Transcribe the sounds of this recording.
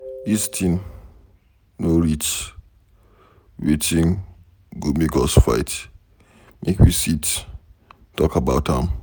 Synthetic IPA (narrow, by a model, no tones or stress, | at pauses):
istʰĩn | noɹit͡ʃ | wit͡ʃĩn | ɡumiɡɔsfa̰ɪt | mʔekwisit | tɔkabaʊthãm